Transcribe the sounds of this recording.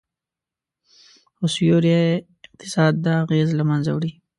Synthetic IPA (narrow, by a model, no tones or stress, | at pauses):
osjoɾje | ɪq̚t̪ɪ̥sɑd̪̚ːəaɣezlamanza̰wɽi